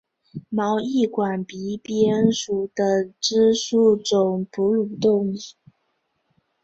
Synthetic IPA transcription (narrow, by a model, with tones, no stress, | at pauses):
mɑ˧˥ʊi˥˩kwa˨˩npi˧˥pjɛ˥nʂu˨˩d̪̥ə˧˦ʈ͡ʂɻ̩˥ʂu˥˩ʈ͡ʂʊ˨˩ŋpʰu˧˥lu˨˩t̪ʊ˥˧ŋi˨˩˦